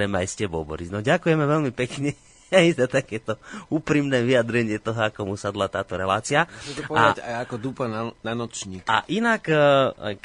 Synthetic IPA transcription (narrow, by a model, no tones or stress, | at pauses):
ɛmajscɛbɔbɔ̰ɾiznɔɟakujɛmɛʋɛlmipɛkɲɛ | ajzat̪akɛːt̪ɔuːpɾimnɛːʋijad̪ɾɛɲɪɛt̪ɔɦɔakɔmusad̪lat̪aːt̪ɔɾɛlaːt͡siait̪ɔpɔaaacajakɔd̪upanananɔt͡ʃɲiːka̰ʔinak | k